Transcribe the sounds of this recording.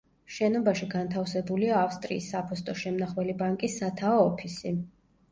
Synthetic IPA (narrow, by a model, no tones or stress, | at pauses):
ʃɛnɔbaʃiɡant̪ʰafsɛbuliaːfst̪ʼɾḭːsːapʰɔst̪ʼɔʃɛmnaχwɛlibaŋkʼisːat̪ʰaɔːpʰisi